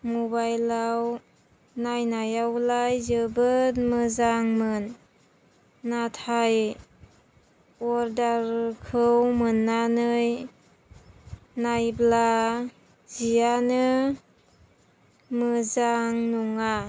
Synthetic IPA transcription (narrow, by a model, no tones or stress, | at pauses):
mubajlaw | najnajawlajzɯbɯmɯzaŋmɯn | atʰaj | ɔɾdaɾkʰɯwmɯnːanɯj | ajbla | zijanɯ | mɯzaŋnuŋa